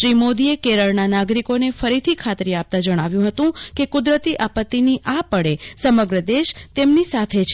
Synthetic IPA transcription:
ʃɾimod̪iekeɾəɭnanaɡɾikonefəɾit̪ʰikʰat̪ɾiap̚t̪ad͡ʒəɽ̃aʋjũɦət̪ũkekʊd̪ɾət̪iʔapət̪ːiniʔapəɽesəməɡɾəd̪eʃt̪emnisat̪ʰet͡ʃʰ

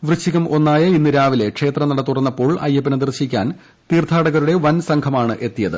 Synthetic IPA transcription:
ʋrɨɕiɣɐmʔo̞nːaːjɐinːɨɾaːʋile̞kʂe̞ːt̪rɐnɐɽɐt̪ːurɐnːɐpːo̞ːɭɐ̰jːɐpːinɐd̪ɨrɕikʲːaːn | t̪iːrt̪ʰaːɽɐɣɐɾuɽe̞ʋɐnsɐŋkʰɐmaːɳɨʔe̞t̪ːijɐðɨ̰

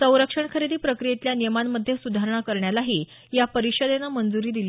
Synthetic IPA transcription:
sə̃w̃ɾəkʂəɳkʰəɾid̪iːpɾəkɾijet̪ljanijəmanməd̪ʱːjesud̪ʱaɾəɳ̃akəɾɳjalaɦiː | japəɾiɕəd̪enamənd͡zuɾiːd̪ili

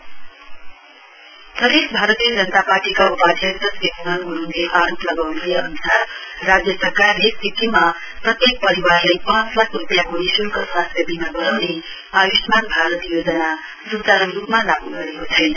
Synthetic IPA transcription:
pɾəd̪eʃbʱaɾət̪iəd͡zənt̪apaɾʈikaupad̪ʱət̪əsjekunənɡuɽ̃und̪eʔaɾopləɡawnbʱujəːnusaɾːad͡zjəsəɾkaɾnesikima | pɾʌt̪jek̚pəɾiʋaɾləjpãt͡slakʰɾupjakoɽisulkʰəswast̪ʰjəbʱinaɡəɾəmne | ajuʃmanbʱaɾət̪jod͡ʒəna | ɾut̪aɾənɾupmãlaɡuɡəɾeɦot̪ʰajn

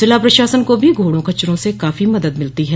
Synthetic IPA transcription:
ɪlapɾɐʃaːsənkobʱiɡʱoːɽõkɐt͡ʃːɾõsekaːfimɐd̪əd̪mɪlt̪iɦɛː

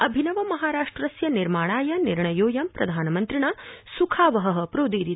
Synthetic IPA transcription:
ɐbʱinɐʋɐmɐɦaːɾaːʂʈɾɐsjɐniɾmaːɳ̃aːjɐniɾɳɐjoːjɐmpɾɐd̪ʱaːnɐmɐnt̪ɾiɳaːsukʰaːʋɐɦɐɦɐ̆pɾoːd̪iːɾi

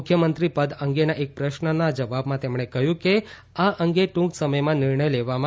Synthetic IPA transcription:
kʰjəmənt̪ɾipəd̪əŋɡenaʔek̚pɾəʃnənad͡ʒəʋabmãt̪emɽ̃ekəɦjũke | aʔəŋɡeʈũŋksəməjmãnɪɾɳəjleʋam̃

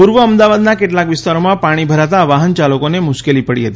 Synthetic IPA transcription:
puɾʋəəmd̪aʋad̪nakeʈlakʋɪst̪aɾomãpaɽ̃ibʱəɾat̪aʋaɦənt͡ʃalokonemʊʃkelipəɽḭɦət̪i

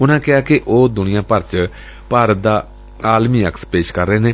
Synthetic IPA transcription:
ʊnãːkɪaːkɪʔoːd̪ʊnɪjãːpəɾt͡ʃ | paːɾəd̪aː | aːlmiːəkspeːʃkəɾːeːneː

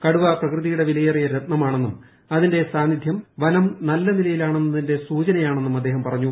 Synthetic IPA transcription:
kɐɽuʋaprɐkrɨðijuɽe̞ʋilɐjɐrijɐɾet̪nɐmaːɳe̞nːum | ɐðinde̞saːnid̪ʱjɐmʋɐnɐmnɐlːɐnilɐjilaːɳe̞nːɐðinde̞suːt͡ɕɐnɐjaːɳe̞nːumɐd̪ːe̞ːɦɐmpɐrɐɲːu

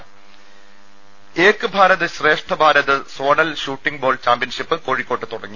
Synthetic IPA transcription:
eːkːɨbʱaːɾɐðɐɕre̞ːʂʈʰɐbʱaːɾɐðɐso̞ːɳɐlɕuːʈːiŋɡboːɭt͡ɕaːmpjɐnʂipːɨko̞ːɻikʲːo̞ːʈːɨt̪uɽɐŋːi

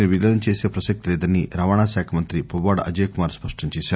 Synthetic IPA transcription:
niʋilɐɐɲt͡ʃeːsepɾɐʃɐk̚t̪ilɛːd̪ɐnːiɾaːʋaːɳaːsaːkʰɐmɐnt̪ɾipɐʋaːɽɐ̰d͡ʒeːkumaːɾspɐʂʈɐɲt͡ʃeːsa

